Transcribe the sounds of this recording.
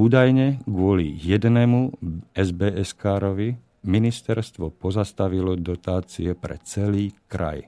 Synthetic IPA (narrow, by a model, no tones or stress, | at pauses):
uːd̪ajɲɛɡʋʊɔlḭjɛd̪nɛmuɛzbɛɛskaːɾɔʋi | minist̪ɛɾst̪ʋɔpɔzast̪aʋilɔd̪ɔt̪aːt͡siɛpɾɛ̰t͡sɛliːkɾa̰j